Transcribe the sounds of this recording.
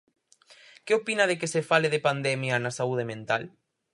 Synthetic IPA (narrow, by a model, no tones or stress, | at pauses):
keopinað̞ekesefaleðepand̪ɛmjanasauð̞emẽnt̪al